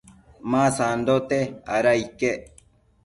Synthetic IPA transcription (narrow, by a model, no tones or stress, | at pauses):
mãsand̪ot̪eaɾaike